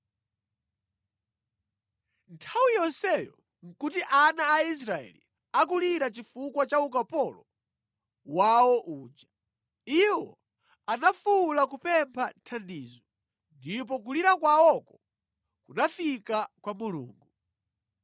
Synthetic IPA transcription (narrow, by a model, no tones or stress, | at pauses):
ntʰawijɔsɛjɔ̰ | ŋ̩kutiʔanaːis̬ɾaɛ̰lḭ | ak̬uliɾat͡ʃifukwat͡ʃaukapɔlɔ | wawɔʔuːd͡ʒa | iwɔ̰ | anafulak̬upɛmpʰantʰandiːzɔ | ndip̬ɔk̬uliɾakwaɔkɔ | kunafikakwamulṵːŋɡu